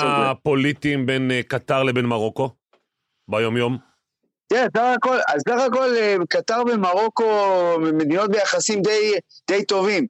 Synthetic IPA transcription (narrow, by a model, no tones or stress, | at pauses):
apo̞lit̪imbenkat̪aʁlebenmaʁo̞ko̞ | bajo̞mjo̞m | jesaχako̞lazsaχako̞lekat̪aʁbemaʁo̞ko̞med̪ino̞t̪̚be̞jaχasimd̪ejd̪ejt̪o̞vim